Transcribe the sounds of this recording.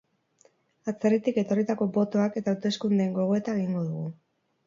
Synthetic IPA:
at͡serit̪ike̞t̪o̞rit̪ako̞bo̞t̪o̞ake̞t̪aːwt̪e̞skund̪eŋɡo̞ɣ̞o̞e̞t̪aeɣiŋɡo̞ðuɣu

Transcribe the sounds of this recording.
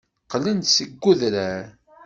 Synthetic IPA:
qlənt̪səɡːuðɾæɾ

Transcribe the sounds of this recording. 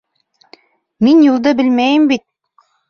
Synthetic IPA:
minjulˠd̪ɤbɘ̆lmæjɘmbit̪̚

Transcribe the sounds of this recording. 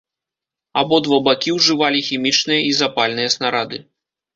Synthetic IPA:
abɔd̪vɐbakʲiwʐɨvalʲixʲimʲit͡ʂnɨjɐizapalʲnɨjɐsnaɾad̪ɨ

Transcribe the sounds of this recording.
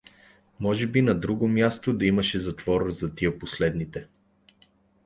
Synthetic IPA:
mɔʒɛbinɐd̪ɾuɡomjast̪od̪ɐimɐʃɛzɐt̪vɔɾəzɐt̪iəposlɛd̪nit̪ɛ

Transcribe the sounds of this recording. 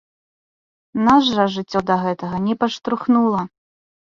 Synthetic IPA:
naʐːɐʐɨt͡sʲːɔd̪ɐɣɛt̪ɐɣɐnʲɛpɐʂt̪ɾuxnulˠɐ

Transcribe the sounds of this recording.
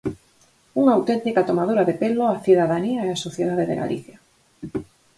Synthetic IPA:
uŋaawt̪ent̪ikat̪omaðoɾaðepeloaθiðaðaniaeasoθjeðaðeðḛɣa̰lḭθja

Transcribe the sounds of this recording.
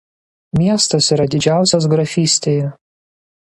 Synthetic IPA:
mʲiɛst̪ɐsiːɾɐd̪ʲɪd͡ʒʲæˑʊsʲos̬ɡɾɐfʲiːsʲt̪ʲeːjɛ

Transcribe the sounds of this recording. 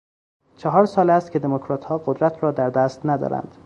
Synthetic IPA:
t͡ʃʰɒɦɒːɾsɒːlæst̪̚cʰed̪emokʰɾɒːt̪hɒːɡod̪ɾæt̪ʰrɒːd̪æɾd̪æːst̪næd̪ɒ̰ːɾæ̰nd̪̥

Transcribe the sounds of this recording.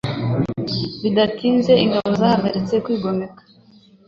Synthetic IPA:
βidakiːnze̞iŋɡaβo̞zaːhaɡaɾit͡se̞kwiːɡo̞me̞kḁ

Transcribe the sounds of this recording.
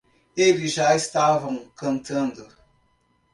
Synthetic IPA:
elɪzʒaest̪avɐ̃w̃kɐ̃nt̪ɐ̃nd̪ʊ

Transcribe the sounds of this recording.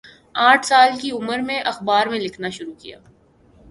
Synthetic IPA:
aːʈʰsaːlkiʊməɾmẽʔɐxbaːɾmẽlɪkʰnaʃʊɾukija̰ː

